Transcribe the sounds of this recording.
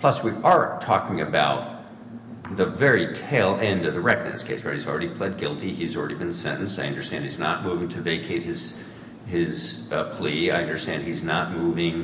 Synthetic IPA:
pʰl̥ʌswiʔə˞tʰɔ̰kɪ̃ŋɨbaʊt̪̚ | ðəvɛɹitʰeɪlˠɛ̃ndʌvðɨɹɛk̚nɨ̰̃skʰeɪsbə˞izl̩ˠɹɛɾipʰl̥ɛd̚ɡɪlˠtiizl̩ˠɹɛ̰ɾibɨ̃nsɛ̰̃nʔn̩saɪʌ̃ndə˞stæ̃nd̚hiznə̰t̚muvɪ̃ŋtʰɨveɪkʰeɪt̚hɨz̥ | ɪz̥pʰl̥iaɪʌ̃ndə˞stæ̃nd̚iznət̚muvɪ̃ŋ

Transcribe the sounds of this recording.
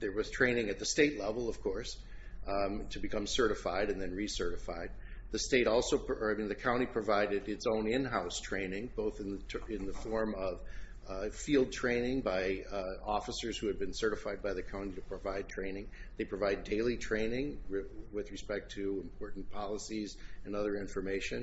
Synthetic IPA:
ðə˞wʌz̥tʰɹ̥ẽɪ̃nɪ̃ŋɨt̪̚ðɨsteɪtˡlɛvl̩ˠʌv̥kʰɔɹs | tʰɨbɨkʰʌ̃msɜ˞ɾɨfaɪɾɨ̃nðɨ̃nɹisɜ˞ɾɨfa̰ɪd̪̚ | ðɨsteɪɾɔlˠsoʊpaɪmĩnðɨkʰãʊ̃ɾ̃ipʰɹ̥ɨvaɪɾɨɾɨtsõʊ̃nɪ̃nɦaʊstʰɹ̥ẽɪ̃nɪ̃ŋb̥oʊθɨ̃nðʰɪ̃nðəfɔɹmʌv̥ | filˠd̚tʰɹ̥ẽɪ̃nɪ̃ŋbaɪɔfəsə˞z̥hʉɨd̚bɨ̃nsɜ˞ɾɨfaɪd̚baɪðɨkʰãʊ̃ntiɾɨpʰɹ̥əvaɪd̚tʰɹ̥ẽɪ̃nɪ̃ŋðeɪpʰɹ̥ɨvaɪdeɪlˠitʰɹ̥ẽɪ̃nɪ̃ŋwɪðɹɨspɛk̚tʰɨɨ̃mpʰɔɹʔn̩pʰɑlˠəsizɨ̃nʌðə˞ɪ̃ɱfə˞meɪʃɨ̃n

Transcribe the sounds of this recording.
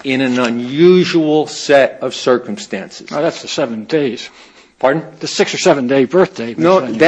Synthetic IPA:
ɪ̃nɨ̃nə̃njʉʒəl̩ˠsɛɾʌv̥sɜ˞kə̃m̩stæ̰̃nsɨzoðætsðəsɛvə̃ndeɪz̥ | pʰɑɹdⁿn̩ðɨsɪksə˞sɛṽndeɪbɜ˞θd̥eɪnoð

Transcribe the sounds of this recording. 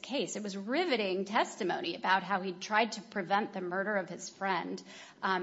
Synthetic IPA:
kʰeɪsɨt̚wʌzɹɪvɨɾɪ̃ŋtʰɛstɨmõʊ̃ñiɨbaʊt̚ɦaʊitʰɹ̥aɪd̚tʰɨpʰɹ̥ɨvɛ̃nðɨmɜ˞ɾə˞ʌv̥ɨz̥fɹɛ̃nd

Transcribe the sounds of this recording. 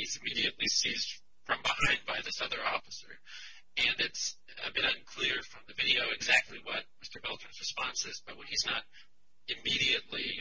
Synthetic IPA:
izɨmiɾiɨʔˡlisizd̥ | fɹʌ̃mbəhãɪ̃nd̚baɪðɨsʌðə˞ɔfəsə̰˞ | ɨ̃nɨts | ɨ̰bɪɾʌ̃nkʰl̥ɪɹfɹʌ̃mðɨvɪɾioʊɨɡzæk̚tʰˡliwʌt̚mɪstə˞bɛlˠtɹɨ̃nzɹɨspɑ̃nsɪzb̥ʌt̚wɨ̃niznəɾ | ɨmiɾiɨtˡli

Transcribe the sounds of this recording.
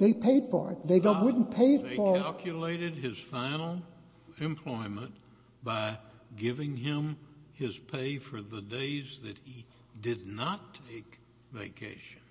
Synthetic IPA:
ðeɪpʰeɪd̥fə̰˞ɪ̰t̚ðeɪɡʌwʊdⁿn̩pʰeɪɨtfə˞ælˠkʰjɨleɪɾɨd̚ɪz̥fãɪ̃nl̩ˠ | ɨ̃mpʰl̥ɔɪmə̃n | b̥aɪ | ɡɪvɪ̃ŋɪ̃mɪz̥pʰeɪfə˞ðɨdeɪzðɨt̚hi | dɨdⁿnətʰːeɪk | vḛɪkʰḛɪʃɨ̃n

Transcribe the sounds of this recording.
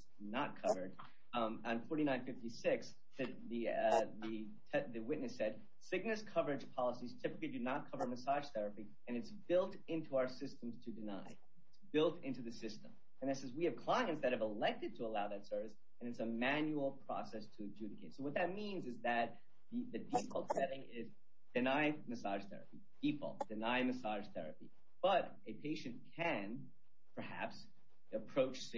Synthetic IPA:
nət̚kʰʌvə˞d̃ | n̩fɔɹɾinãɪ̃nfɪftisɪks | ðɨ | ðɨðɨ | tʰɛðɨwɪʔⁿnɨsɛd̥̚ | sɪɡ̚nɨz̥kʰʌvə˞ɨd͡ʒ̥pʰɑlˠəsiz̥tʰɪpəklidɨnət̚kʰʌvə˞məsɑʒ̥θɛɹɨpi | ɨ̃nɨtsb̥ɪlˠt | ɪ̃ntʰuaʊə˞sɪstə̃m̩z̥tʰɨdɨna̰ɪ | ɪtsb̥ɪlˠtɪ̃ntʉðɨsɪstə̰̃m | ɨ̃nðɨtsɛzwiɨv̥kʰl̥ãɪ̃ŋɨ̃ntsðɨt̚hɨvəlɛk̚tɨd̚tʰəəlaʊðɨtsɜ˞vɨs | ɨ̃nɨtsəmæ̃njul̩ˠpʰɹ̥ɑ̰sɛstʰɨd͡ʒʉɾɨkʰeɪtsoʊwʌt̪̚ðɨt̚mĩnzɨzðɨt̪̚ | ðɨðɨdifɔ̰lˠtsɛɾɪ̃ŋɪz | dɨnaɪmɨsɑʒ̥θɛ̰ɹɨ̰pi | d̥ifɔ̰lˠt̚d̥ɨnaɪmɨsɑʒ̥θɛ̰ɹɨ̰pi | b̥ʌɾ | ʔɨpʰeɪʃɨ̃nkʰɨ̃n | pʰə˞hæ̰ps | ɨpʰɹ̥oʊt͡ʃs

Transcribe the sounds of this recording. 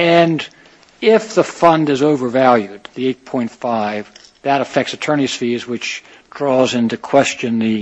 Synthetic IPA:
ɨ̃n | ɪfðəfʌ̃ndɨzoʊvə˞vælˠjʉd̪̚ðieɪt̚pʰɔ̃ɪ̃ntfaɪv | ðɨɾəfɛk̚tsɨtʰɜ̃˞ñisfizwɨt͡ʃ | d̥ɹɔzɪ̃ntɨkʰw̥ɛst͡ʃɨ̃nðɨ

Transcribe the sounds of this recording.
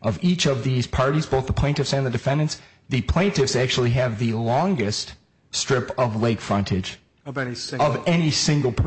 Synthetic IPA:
ʔʌvit͡ʃʌvðiz̥pʰɑɹɾizboʊθðəpʰl̥ẽɪ̃ntɨfsɨ̃nðɨdɨfɛ̃ndɨ̃nts | ðɨpʰl̥ẽɪ̃ntɨfsæk̚t͡ʃul̩ˠiɨvðɨlɔ̃ŋɡɨst | stɹ̥ɪpʌvleɪkfɹʌ̃ntʰɨd̥d͡ʒ | ʌvɛnisɪ̃ŋɡl̩ˠpʰ

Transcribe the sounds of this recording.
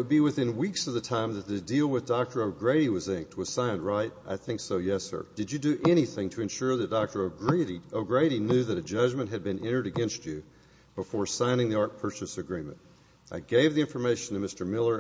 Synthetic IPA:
wəd̚biwɨθɪ̃nwiksʌvðɨtʰãɪ̃mðɨt̪̚ðɨdilˠwɨðdɑk̚tə˞oʊɡɹeɪɾiwʌzɪ̃ŋk̚t̚ʰwʌz̥sãɪ̃ndɹaɪɾʔa̰ɪθɪ̃ŋksoʊjɛsə̰˞d̥ɨd͡ʒɨdɨʔɛɾ̃iθɪ̃ŋtʰɨɨ̃nʃʊɹðɨt̚d̥ɑk̚tə˞oʊɡɹɾioʊɡɹeɪɾinjʉðɨɾɨd͡ʒʌd͡ʒmɨ̃nʔɦɨd̚bɨ̃nɛ̃ɾ̃ə˞ɾɨɡɛ̃nst͡ʃɨ | b̥əfɔɹsãɪ̃ñɪ̃ŋðiɑɹt̚pʰɜ˞t͡ʃɨsɨɡɹĩmɨ̰̃nt | ʔaɪɡeɪvðiɪ̃ɱfə˞meɪʃɨ̃n̩tʰɨmɪstə˞mɪlˠə˞

